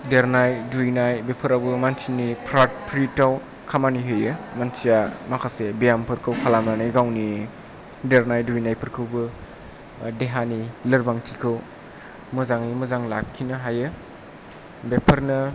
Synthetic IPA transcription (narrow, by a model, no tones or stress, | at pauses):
deɾnajdujnajbepʰɯɾabɯmansʰinipʰɾat̚pʰɾitaw | kʰamaniɦɯjɯmansijamakʰasebejampʰɯɾkʰɯwkʰalamnanɯjɡawni | deɾnajdujnajpʰɯɾkʰɯwbɯ | deɦanilɯɾbaŋtʰikʰɯw | mɯzaŋnimɯzaŋlap̚kʰinaɦajɯ | bepʰɐɾnɐ